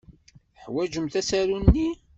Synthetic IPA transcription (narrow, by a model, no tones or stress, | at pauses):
ħwæd͡ʒəmθæsæɾunːi